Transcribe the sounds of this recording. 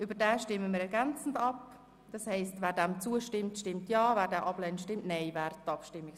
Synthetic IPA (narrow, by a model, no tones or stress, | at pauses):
ʔybəɾdɛːʃtɪməmiːɾɛɾɡɛnt͡sn̩dɑp | d̥ɑshɛɪstvɛːɾdɛmt͡suːəʃtɪmtʃtɪmtjɑːvɛːɾdɛːʔɑblɛntʃtɪmtnɛɪvɛːɾtɑpʃtɪmːɪk